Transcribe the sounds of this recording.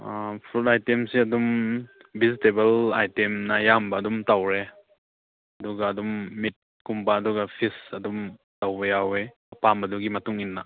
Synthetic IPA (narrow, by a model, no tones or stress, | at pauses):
pʰɾutajtemsiɐdum | bizitebɐla̰jtemnɐjambɐːdumtawɾe | ɐduɡaːdumːit̚ | kumpaːduɡɐpʰisɐdum | tawbɐjawe | pamɐduɡimɐtuŋinːaʔ